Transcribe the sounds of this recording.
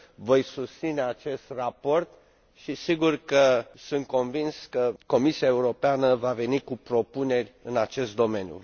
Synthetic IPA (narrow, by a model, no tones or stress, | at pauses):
vo̞jsust̪sine̞at͡ʃe̞st̪rapo̞rt̪ | ʃisiɡurkəsunt̪̚ko̞nvinskəko̞misiae̞uɾo̞peanəvave̞nikupɾo̞pune̞rʲɨnat͡ʃe̞st̪̚d̪o̞me̞nʲjṵ